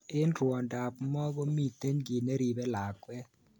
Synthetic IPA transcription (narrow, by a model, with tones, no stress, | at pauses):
ɪ˦nɾwɔ˨nda˨pmɔ˦ɡɔ˦mi˦˨t̪e˦ɲɡɪ˨ne˦ɾi˨bɛ˦la˨kwɛ˦